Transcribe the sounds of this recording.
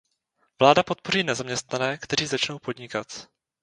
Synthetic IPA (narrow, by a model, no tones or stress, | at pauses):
vlaːdapo̞t̪̚po̞riːnɛzamɲɛst̪nanɛːkt̪ɛɾ̝iːzat͡ʃno̞wpo̞d̪ɲɪkat̪